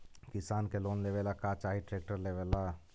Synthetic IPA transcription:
kɪsaːnkeloːnleʋeːlakat͡ʃaːɦiʈɾeːk̚ʈəɾleʋeːla

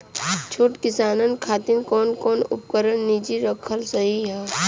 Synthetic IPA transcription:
t͡ʃʰoːʈkɪsaːnənkʰaːt̪ɪnkɔːnkɔːnʊ̰p̚kəɾənːid͡ʒiɾəkʰəlsɐɦiɦɛː

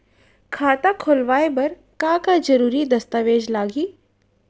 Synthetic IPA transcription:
kʰaːt̪akʰolʋaːebɐɾ | kakad͡ʒɐɾuːɾid̪ɐst̪aʋeːd͡ʒlaːɡiː

